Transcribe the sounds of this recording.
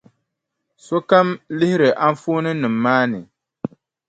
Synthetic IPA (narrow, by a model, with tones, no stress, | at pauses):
so˦ka˦mlɪ˦hɪ˦ɾɨ˨ʔa˦ɱ˦foː˦nɨ˦nɨ˨mːaː˦nɨ˨